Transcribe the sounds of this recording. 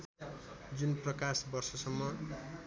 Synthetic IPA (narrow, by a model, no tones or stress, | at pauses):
d͡zunprʌkasbʌrsʌsʌmːʌ